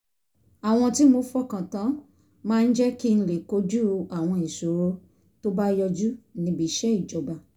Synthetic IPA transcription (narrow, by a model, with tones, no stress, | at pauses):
a˨w̃ɔ̃˧ti˦mo˧fɔ˦kã˨tã˨˦ | mãː˦n̩˦d͡ʒɛ˦ki˦ñ̩˧˦le˨ko˨˦d͡ʒu˦a˨w̃ɔ̃˧i˨so˨ɾo˦ | to˦ba˦jɔ˧d͡ʒu˦nĩ˧bi˦˨˦ʃɛ˦i˦˨d͡ʒɔ˨ba˧˨